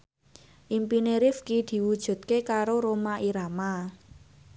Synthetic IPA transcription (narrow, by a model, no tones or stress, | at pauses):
ʔimpineɾɪfkid̪̥i̤wud̥ʒ̥ṳt̪̚kekaɾoɾomaʔiɾama